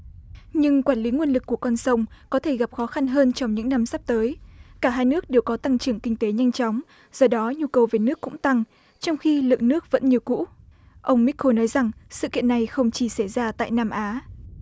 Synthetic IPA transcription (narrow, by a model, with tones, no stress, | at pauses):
ɲɨ˧ŋkwaː˧˩nli˨˦ŋwənlɨ˨˩kːu˧˩əkɔ˧˩nsə˧wŋ͡mkɔ˨˦t̪ʰe˧˩ɣa˨˩p̚xɔ˨˦xa˧nɦəː˧nt͡ɕɔ˧wŋ͡mɲɨ̰˧˥ŋna˧msa˦˥p̚t̪əː˨˦jkaː˧˩ɦaː˧jnɨ˦˥ək̚ɗe˨˩wkɔ˨˦t̪a˧ŋt͡ɕɨ˧˩əŋkï˧ŋ̟t̪e˨˦ɲa˧jŋt͡ɕɔ˨˦wŋ͡m | z̥ɔ˧˩ɗɔ˨˦ɲu˧kə˨˩wve˨˩nɨ˦˥əkːʊ̰˧˥ŋ͡mt̪a˧ŋ | t͡ɕɔ˧wŋ͡mxi˧lɨ̰˧˨ŋnɨ˦˥ək̚və̰˧˥nɲi˨˧əwkṵ˧˥ | ʔə˧wŋ͡mmi˦˥k̚ʰo˧nɔ˨˦jza˨˩ŋsɨ̰˧˨kḭ˧˨ənːa˨˩jxə˧wŋ͡mt͡ɕi˧˩sa˧˩zaː˧t̪a̰ː˧˨jnaː˧mʔaː˨˦